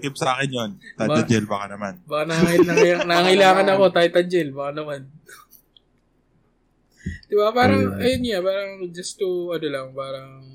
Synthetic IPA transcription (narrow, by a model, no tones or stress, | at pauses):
k̪ɪp̚sɐʔaːkɪnjont̪ab̪ɐd͡ʒɛlbakanɐmanbɐkanɐŋɪɐanɐaŋɪlaːŋɐnɐko̞t̪aːjt̪ɐd͡ʒɛlbɐkanɐman | d̪̥ɪbapaːɾɐŋɐjonjapaːɾɐŋd͡ʒɐst̪uʔɐnolɐŋpaːɾɐŋ